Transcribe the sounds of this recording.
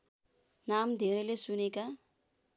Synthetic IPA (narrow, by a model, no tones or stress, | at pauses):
namd̪ʱeɾelesuneka